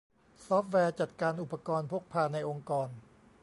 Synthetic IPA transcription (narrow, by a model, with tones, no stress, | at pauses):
sɔː˦˥p̚ʰwɛː˧t͡ɕa˨˩t̪̚kaː˧nʔu˨˩pːa˧kɔː˧npʰo˥˩k̚pʰaː˧˩na˧jʔo˧ŋkɔː˧n